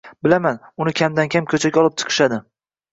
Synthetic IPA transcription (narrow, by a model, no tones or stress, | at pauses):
bɪlamanʊnɪkʲʰamd̪ankʲʰamkʲʰɵt͡ʃʰakʲɒlˠɪp̚t͡ʃʰɨ̥qʰɨ̥ʃad̪ɪ